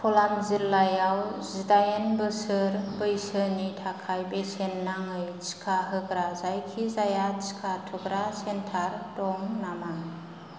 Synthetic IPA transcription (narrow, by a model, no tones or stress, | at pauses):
pʰɔlanzilːajawzidajenbɯsɯɾbɯjsɯnitʰakʰajbesenːaŋɯjt͡ʃi̥kʰaɦɯɡɾazajkʰizajat͡ʃi̥kʰatʰuɡɾasentʰaɾdɔŋnamaŋ